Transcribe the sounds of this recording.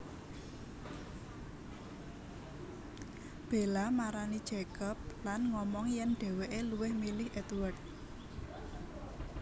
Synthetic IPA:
b̥e̤lamaɾanid̥ʒ̥ɛkɔp̚lanŋɔmɔŋjɛnɖ̥e̤weʔeluwɪhmilɪhʔɛt̪wərt̪̚

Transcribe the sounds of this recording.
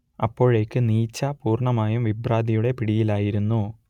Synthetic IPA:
ɐpːo̞ːɻe̞ːkːɨniːt͡ɕːɐpuːrɳɐmaːjumʋibraːd̪ijuɽe̞piɽijilaːjiɾunːu

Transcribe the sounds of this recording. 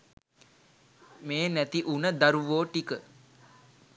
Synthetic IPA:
meːnæt̪iʔunəd̪aɾuʋoːʈikə

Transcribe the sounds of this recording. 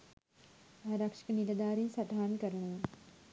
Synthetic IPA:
aːɾakʂi̥kənilɐd̪aːɾensat̪ɦaːnikəɾəɳəʋə

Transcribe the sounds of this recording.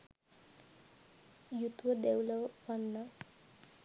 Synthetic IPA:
jut̪wʌd̪ewlʌwpʌnːʌ

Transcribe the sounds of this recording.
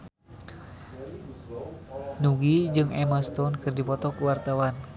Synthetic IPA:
nuɡid͡ʒɨŋɛməst̪ɔnkɨrdipɔt̪ɔkuwart̪awan

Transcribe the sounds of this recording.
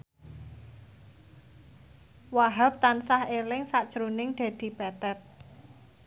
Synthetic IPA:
waɦap̚t̪ansahelɪŋsaʔd̥ʒ̥ɾunɪŋɖ̪̥a̤d̪̥i̤bɛt̪ɛt̪̚

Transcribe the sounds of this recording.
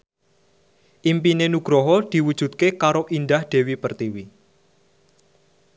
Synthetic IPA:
ʔimpinenuɡ̥ɾɔɦɔd̪̥i̤wud̥ʒ̥ṳt̪̚kekaɾoʔind̪ahd̪̥e̤wipərt̪iwi

